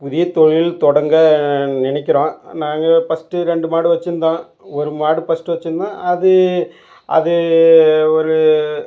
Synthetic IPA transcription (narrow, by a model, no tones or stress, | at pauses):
pʊðɪjɐt̪ɔɻɪlt̪ɔɽɐŋɡɐnɪnɛk̬ʲːɪɾõːnaːŋɡɐfɐsʈɯɾɛɳɖɯmaːɽɯʋɐt͡ʃːɯnd̪ãː | ɔɾɯmaːɽɯpɐsʈɯʋɐt͡ʃːɯnd̪ãːɐðɯ | ʔɐ̰ðɯ | ɔɾɯ